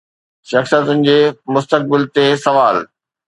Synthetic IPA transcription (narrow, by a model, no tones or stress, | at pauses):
ʃɐxsijət̪ʊnɪ̆d͡ʑeːmʊst̪ək̚bɪlt̪esɐʋaːl